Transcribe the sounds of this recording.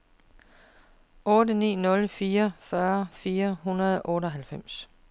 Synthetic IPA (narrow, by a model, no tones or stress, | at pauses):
ʔɔ̽ːdənḭːnɔ̽lfiːɐfɶɐfiːɐɦunɐð̞ˠʔɔ̽ːɾɒɦælfem̰s